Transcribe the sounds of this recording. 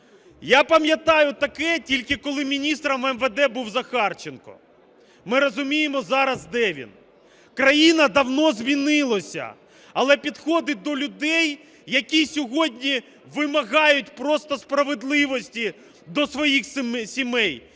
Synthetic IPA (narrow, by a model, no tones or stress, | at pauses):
japɐmʲjɐt̪ɑjʊt̪ɐkɛtʲilʲkɪkɔlˠɪmʲinʲist̪ɾɐmɛmʋed̪ɛbuwzɐxɑrt͡ʃenkɔ̰ | mɪɾɔzʊmʲijemɔzɑɾɐzd̪ɛʋʲḭn | kɾɐjinɐd̪ɐwnɔzʲmʲinɪlˠɔsʲɐ̰ | ɐlˠɛpʲid̪xɔd̪ɪd̪ɔlʲʊd̪ɛj | jɐkʲisʲɔɦɔdʲnʲi | ʋɪmɐɣɑjʊt̚ʲpɾɔst̪ɔspɾɐʋed̪lˠɪʋɔsʲtʲi | d̪ɔsʋɔjixssʲimɛj